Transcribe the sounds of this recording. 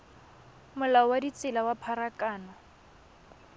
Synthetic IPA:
mʊlaɔwadit͡sʼɪlawapʰaɾakʼaːna

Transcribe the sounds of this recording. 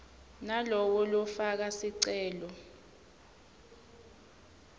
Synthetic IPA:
nalɔk̬ɔlɔfak̬asiǀɛːlɔ

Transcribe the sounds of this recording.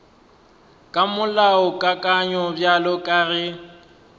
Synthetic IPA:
kʼamʊlaʊkʼakʼaɲɔbjalɔkʼarɪ

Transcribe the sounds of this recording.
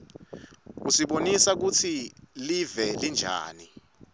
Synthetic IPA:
usiɓonisak̬ut͡sʰilivɛlind͡ʒʱa̰ːni

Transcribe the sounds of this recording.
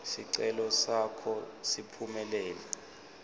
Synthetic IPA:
siǀɛlɔsakʰɔsipʰumɛlɛːlɛ

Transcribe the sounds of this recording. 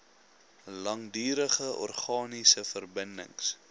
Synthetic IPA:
lɐŋdyːɾəχəʔɔ̰rχɑːnisəfərbəndə̰ŋs

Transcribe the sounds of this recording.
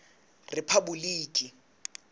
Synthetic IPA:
rɪpʰabuliːkʼi

